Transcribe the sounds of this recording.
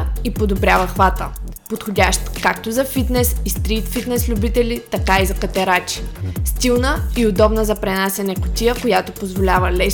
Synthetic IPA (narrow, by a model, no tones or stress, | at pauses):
ipod̪obɾʲavəxvat̪əpot̪xodʲaʃt̪kakt̪ozɐfit̪nɛsist̪ɾit̪fit̪nɛslʲʊbit̪ɛlʲit̪ɐkaizɐkɐt̪ɛɾat͡ʃi̥st̪ilˠnəiod̪ɔbnəzɐpɾɛnasɛnɛkʊ̥t̪ʲijəkojat̪opozvolʲavəlɛ